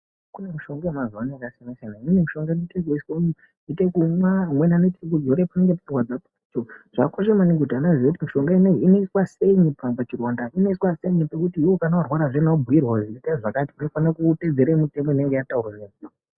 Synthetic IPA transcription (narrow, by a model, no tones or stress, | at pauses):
kunemiʃo̞ŋɡamazanaakasijanasijanaimimimiʃo̞ŋɡainetek̬oiswon | itekumwamwenanetʰek̬ud͡zoɾepane̞ŋɡe̞parwad͡zap | it͡ʃoʐ̥akoʃe̞maneɡutanaʐiokutimiʃo̞ŋɡaineinoiswaseinipapat͡ʃirondaino̞iswaseinepekutiwokanawarwaɾaʐenaubʱujirwaʐiitaʐakatiuno̞fanakute̞d͡zeɾemute̞mo̞ine̞ŋɡe̞jataurwanei